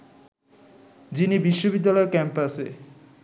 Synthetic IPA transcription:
d͡ʑinibiʃːobid̪ːalɔekɛmpase

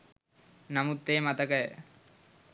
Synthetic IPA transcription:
namut̪ːejmat̪əkəjə̰

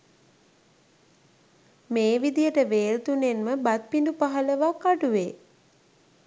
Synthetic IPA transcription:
meːʋid̪ijəʈəʋeːlt̪unenməbat̪̚pindupaɦələʋakːaʈuʋe

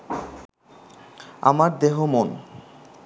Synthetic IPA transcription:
a̰maɾd̪eɦomon

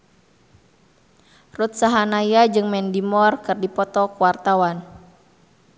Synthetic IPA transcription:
rut̪̚saɦanajad͡ʒɨŋmɛndimɔrkɨrdipɔt̪ɔkuwart̪awan

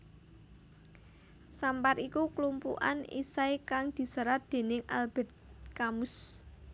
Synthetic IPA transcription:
sampaɾikuklumpṵʔa̰nḭsajkaŋd̪̥i̤səɾat̪̚d̪̥e̤nɪŋʔa̰lb̥ɛ̤t̪̚kamʊs

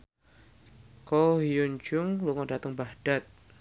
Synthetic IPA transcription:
kɔɦijuɲd͡ʒʊŋluŋɔdat̪əŋbahd̥at̪̚

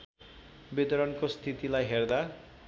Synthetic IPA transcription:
bit̪ɔɾɔnkost̪ʰit̪ilajɦeɾd̪a

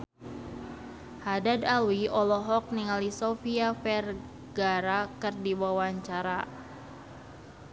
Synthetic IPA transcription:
hadadalwiʔɔlɔɦɔk̚niŋalisofiafɛr | ɡaɾakɨrdiwawaɲt͡ʃaɾa

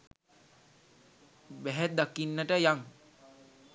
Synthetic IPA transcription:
bæɦɛd̪akinːəʈəjaŋ

